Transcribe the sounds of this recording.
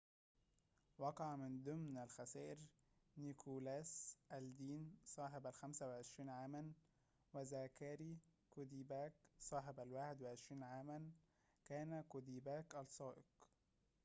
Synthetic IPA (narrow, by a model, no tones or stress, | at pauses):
wɑqɑʕmɪnd̪ʊmnælxæsæːʔɪɾ | nikʰulæːsʔæld̪iːnsˤɑːħebælxæmsæwɪʕeʃɾiːnʕaːmæn | wæzækæːɾikʊd̪iːbæːksˤɑːħebælwaːħɪd̪wɪʕeʃɾiːnʕaːmæn | kæːnækʊd̪iːbæːkʔælsˤɑːʔɪq